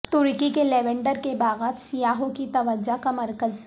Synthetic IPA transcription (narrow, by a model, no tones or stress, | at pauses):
t̪ʊɾkikeleːʋẽɳɖəɾkebaːɣaːd̪sijaːɦõkit̪ɐʋəd͡ʒakamɐɾkəz